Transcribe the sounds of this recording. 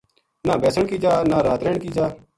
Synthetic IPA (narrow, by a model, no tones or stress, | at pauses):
naːbɛːsəɳkiːd͡ʒaːnaːɾaːt̪ɾeːɳkiːd͡ʒaː